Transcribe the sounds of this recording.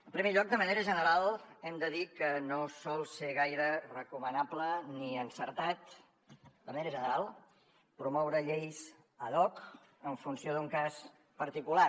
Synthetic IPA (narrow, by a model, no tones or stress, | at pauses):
əmpɾimeʎɔk̚d̪əməneɾəʒənəɾalˠɛmd̪əðikənosɔlˠseɣ̞ajɾərəkumənapləniənsəɾt̪at̪ | d̪əməneɾəʒənəɾalˠ | pɾumɔwɾəʎejs | əðɔk | əɱfunsioðuŋkas | pəɾt̪ikula